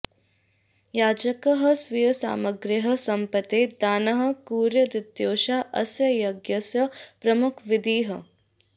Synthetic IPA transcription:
jaːd͡ʒɐkɐɦɐ̆sʋijɐsa̰ːmɐɡɾɪɦɐ̆sɐmpɐt̪eːd̪aːnɐɦɐ̆kuːɾjɐd̪ɪd̪joːʃaːʔɐsjɐjɐɡjɐsjɐpɾɐmukʰʋɪd̪ʱiːɦɐ

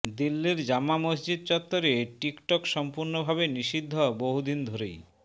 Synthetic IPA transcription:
d̪ilːiɾd͡ʑamːamosd͡ʑid̪̚t͡ɕɔt̪ːoɾeʈikʈɔkʃɔmpuɾnobʱabeniʃid̪ʱːoboɦud̪ind̪ʱoɾej

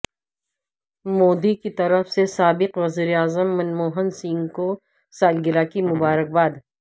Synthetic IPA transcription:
moːd̪ikit̪ɐɾəfsesaːbɪqʋɐziːɾeaːzəmːɐnmoːɦənsĩŋɡko | saːlɡɪlakimʊbaːɾək̚baːd̪

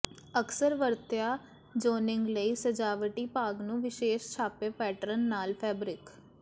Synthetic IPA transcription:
əksəɾʋəɾt̪ɪjaː | d͡ʒoːnɪŋɡləiːsəd͡ʒaːʋəʈiːpaːɡnũːʋɪʃeːʃt͡ʃʰaːpeːpɛːʈɾənːaːlpʰɛːbɾɪk

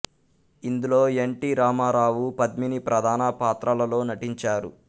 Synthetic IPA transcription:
ind̪ulo̞ːeɳʈiɾaːmaːɾaːʋupɐd̪minipɾɐd̪ʱaːnɐpaːt̪ɾɐlɐlo̞ːnɐʈiɲt͡ʃaːɾṵ

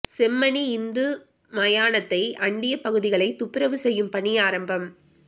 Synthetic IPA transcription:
sɛmːɐniɪnd̪ɯ | mɐjaːɳɐt̪ːɐɪʔɐɳɖɪjɐpɐɣɯðɪɣɐɭɐɪt̪ʊpːɪɾɐʋɯsɛjːɯmpɐɳiaːɾɐmbɐm

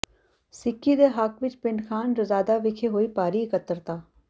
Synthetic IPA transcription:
sɪkʰːiːd̪eːɦəkʋɪt͡ʃpɪɳɖkʰaːnɾəzaːd̪aːʋɪkʰeːɦoːiːpaːɾiːɪkət̪ːəɾt̪aː

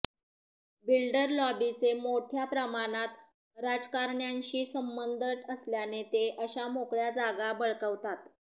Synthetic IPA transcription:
bilɖəɾlɔbit͡semoʈʰjapɾəmanat̪ | ɾad͡zkaɾɳjaɲɕiːsəmbənd̪ʱəʈəsljanet̪eʔəɕamokɭjad͡zaɡabəɭkəʋt̪at̪

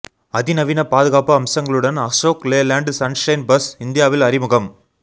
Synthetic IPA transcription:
ɐðɪnɐʋɪnɐpaːðɯɣaːpɐɐmsɐŋɡɐɭɯɽɐnɐsoːkleːlaːɳɖsɐnʂɐɪnbɐsɪnd̪ɪjaːʋɪlɐɾɪmɯɣɐm

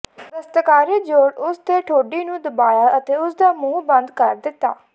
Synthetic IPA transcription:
ʋəst̪əkaːɾiːd͡ʒoːɾʊst̪eːʈʰoːɖiːnũːd̪əbaːjaːʔət̪eːʊsd̪aːmũːbə̃nd̪kəɾd̪ɪt̪ːa̰ː

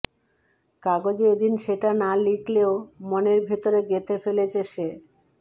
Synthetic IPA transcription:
kaɡod͡ʑeed̪inʃeʈanalikleomoneɾbʱet̪oɾeɡet̪ʰefelet͡ɕeʃe

